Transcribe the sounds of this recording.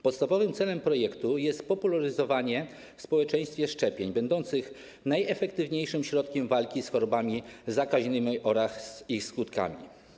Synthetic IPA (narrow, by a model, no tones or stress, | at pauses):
pɔt̪st̪avɔvɘmt̪sɛlɛmpɾɔjɛkt̪ujɛst̪pɔpulaɾɘzɔvaɲɛ | fspɔwɛt͡ʂɛ̃j̃st̪fʲjɛʂt͡ʂɛpʲjeɲbɛnd̪ɔnt̪sɘx | najɛfɛkt̪ɘvɲejʂɘmɕɾɔt̪kʲɛmvalkʲisxɔɾɔbamʲizakaʑnɘmʲiʔɔɾaxzixskut̪ka̰mʲḭ